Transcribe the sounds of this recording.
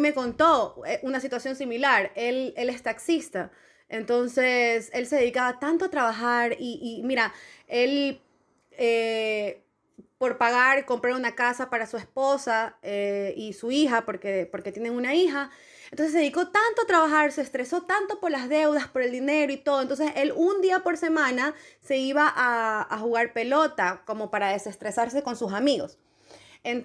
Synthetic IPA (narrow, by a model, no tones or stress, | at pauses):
meko̞nt̪o̞eʔunasit̪wasjo̞nsimilaɾe̞le̞le̞st̪aksist̪a | ent̪o̞nse̞selse̞ðe̞ðikaβat̪ant̪o̞at̪ɾaβaxaɾiʔːmiɾae̞l | e | po̞ɾpaɣaɾko̞mpɾaunakasapaɾasue̞spo̞saeisuixapo̞ɾkepo̞ɾket̪jene̞ŋunaixa | ent̪ons̬ðiko̞t̪ant̪o̞at̪ɾaβaxaɾse̞ːst̪ɾe̞so̞t̪ant̪o̞po̞ɾlazðe̞wðaspo̞ɾe̞ld̪ine̞ɾoit̪oðont̪onsese̞lund̪iapo̞ɾse̞mãnase̞iβaʔaːxuɣaɾpe̞lo̞t̪ako̞mo̞paɾaðe̞se̞st̪ɾe̞saɾse̞ko̞nsusamiɣo̞s | en